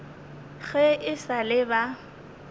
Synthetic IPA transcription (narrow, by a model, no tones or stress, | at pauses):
ɣɛɪsalɪba